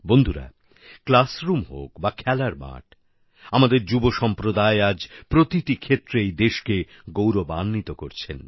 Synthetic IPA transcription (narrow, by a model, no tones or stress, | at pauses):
bond̪ʱuɾa̰ | klasɾumɦo̰kbakʰɛlaɾma̰ʈ | amad̪eɾd͡ʑuboʃɔmpɾod̪aead͡ʑpɾot̪iʈikʰet̪ːɾejd̪eʃke | ɡowɾobanːit̪okoɾt͡ɕʰen